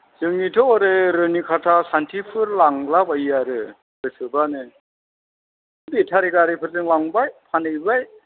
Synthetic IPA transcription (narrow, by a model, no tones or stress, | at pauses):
zɯŋnitʰɔɔɾɯɾɯnikʰatʰasantʰipʰɯɾlaŋlabajaɾɯ | bɯsʰɯbanɯ | bitʰaɾiɡaɾipʰɯɾzɯŋlaŋbajpʰanɯjbaj